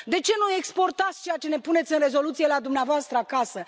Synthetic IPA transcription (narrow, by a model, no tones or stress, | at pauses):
d̪e̞t͡ʃe̞nue̞kspo̞rt̪at̪sʲt͡ʃe̞jat͡ʃe̞ne̞pune̞t̪sʲɨnre̞zo̞lut̪sije̞lad̪umneavoast̪ɾəakasə